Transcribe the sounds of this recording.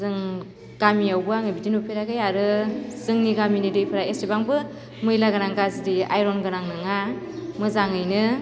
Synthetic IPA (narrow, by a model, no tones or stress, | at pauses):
zɯŋ | ɡ̥amiawbɯaŋɯbidinupʰeɾaɡɯjaɾɯzɯŋniɡaminidɯjpʰɯɾaestebaŋbɯ | mɯjlaɡɯɾaŋɡazdia̰jɾɔnɡɯɾaŋnɯŋa | mɯzaŋɯjnɯ